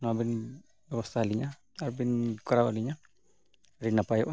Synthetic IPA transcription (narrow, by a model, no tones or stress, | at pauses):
nabin | bɛwast̪aaliɲa | aɾbinkɔɾawaliɲa | ɾinːapajɔʔ